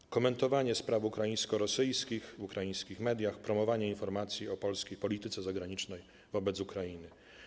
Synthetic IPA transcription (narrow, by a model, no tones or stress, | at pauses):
kɔmɛnt̪ɔvaɲɛspɾavukɾajĩj̃skɔɾɔsɘjskʲixvukɾajij̃skʲixmɛd̪jaxpɾɔmɔvaɲɛinfɔɾmat̪sʲjiɔpɔlskʲejpɔlʲit̪ɘt̪sɛzaɡɾaɲit͡ʂnɛj | vɔbɛd̪ukɾajinɘ